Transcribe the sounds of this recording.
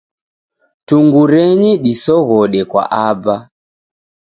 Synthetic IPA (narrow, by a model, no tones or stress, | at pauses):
tuŋɡuɾɛɲiɗisɔɣɔɗɛkwa̰ʔaba